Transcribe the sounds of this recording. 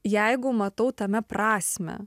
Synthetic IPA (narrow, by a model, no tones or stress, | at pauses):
jɛɪɡʊmɐt̪ɐʊt̪ɐmʲɛpɾɑːsʲmʲɛ̰